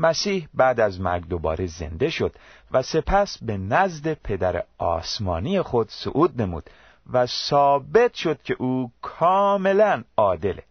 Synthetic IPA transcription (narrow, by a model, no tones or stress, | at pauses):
mæsiːhbæːd̪æzmæɾɡd̪obɒ̰ːɾeze̞̰nd̪e̞ʃo̞d̪̥væse̞pʰæsbe̞næzd̪e̞pʰe̞d̪æɾḛɒ̰ːsmɒ̰ːnijexo̞d̪̥so̰ʔuːd̪̚ne̞mṵːd̪̥ | væsɒːbe̞t̪ʰʃo̞d̪̥cʰe̞ʔuːkʰɒːme̞lænɒːd̪e̞lḛ